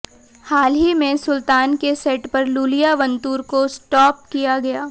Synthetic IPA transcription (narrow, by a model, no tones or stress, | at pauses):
haːlɦimẽsʊlt̪aːnkesɛːʈpɐɾluːlijaʋɐ̃nt̪uːɾkosʈɔːp̚kijaɡɐjaː